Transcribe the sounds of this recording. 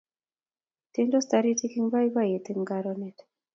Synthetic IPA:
te˦ndɔ˦staɾi˦ti˦ki˦ŋba˦i˦ba˦je˨t̪i˦ŋɡaɾɔnɛ˨t

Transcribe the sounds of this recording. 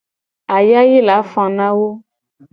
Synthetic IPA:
a˨ja˦je˦la˨˦fɔ̃˨nã˦wo˦

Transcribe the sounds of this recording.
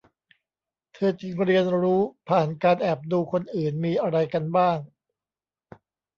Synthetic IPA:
t̪ʰɤː˧t͡ɕi˧ŋɾi˧ənɾuː˦˥pʰaː˨˩nkaː˧nʔɛː˨˩p̚duː˧kʰo˧nʔɯː˨˩nmiː˧ʔa˧ɾa˧jka˧nbaː˥˩ŋ

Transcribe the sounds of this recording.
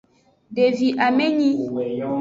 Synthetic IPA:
ɖe˨vi˨ʔa˨mɛ˦ɲĩ˦

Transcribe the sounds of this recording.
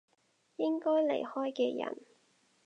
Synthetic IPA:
jɪ˥ŋkɔː˥jle˨˩jhɔː˥jkɛː˧jɐ̰˨˩n

